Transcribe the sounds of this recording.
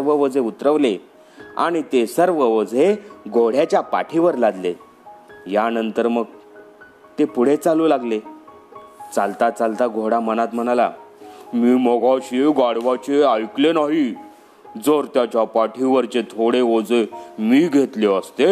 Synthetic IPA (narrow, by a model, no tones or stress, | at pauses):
ʋəʋəd͡zʱeut̪ɾəʋle | a̰ɽ̃it̪esəɾʋəʋəd͡zʱeɡʱoɽ̤jat͡ɕjapa̰ʈʰiʋəɾlad̪le | janənt̪əɾməɡ | t̪epuɽ̤et͡saluːlaɡle | t͡salt̪at͡salt̪aɡʱoɽamənat̪m̤əɽ̃alamiːməɡʱaɕeɡaɽʋat͡ɕeajklenaɦi | d͡zoɾt̪jat͡ɕjapaʈʰiʋəɾt͡ɕet̪ʰoɽeod͡zemiːɡʱet̪leəst̪e